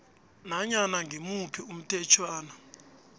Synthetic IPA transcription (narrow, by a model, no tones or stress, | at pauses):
naɲanaŋɡʱimupʰium̩tʰɛt͡ʃʰwaːna